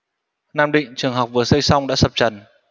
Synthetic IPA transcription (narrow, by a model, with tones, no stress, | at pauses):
naː˧mɗḭ̈˧˨ŋ̟t͡ɕɨ˨˩əŋɦa˨˩wk͡p̚vɨ˨˩əsə˧jsa˧wŋ͡mɗa̰ː˧˥sə˨˩p̚t͡ɕə˨˩n